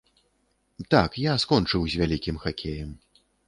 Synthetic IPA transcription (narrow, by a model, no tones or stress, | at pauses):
t̪akjaskɔnt͡ʂɨwzʲvʲalʲikʲimxakʲʰejɐm